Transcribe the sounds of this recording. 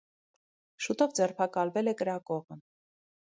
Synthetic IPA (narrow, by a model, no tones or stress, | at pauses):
ʃut̪ɔvd͡zɛrpʰɑkɑlvɛlɛkəɾɑkɔʁə